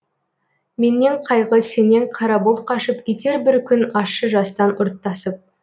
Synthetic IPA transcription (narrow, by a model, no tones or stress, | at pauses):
me̞nːe̞ɴqʰɑjʁəse̞ne̞ŋqʰɑɾɑbolˠqʰɑʃəp̚kʲʰe̞t̪e̞ɾbɪɾkʲʰʏnɑʃəʒɑst̪ɑnʊɾt̪ːɑsəp̚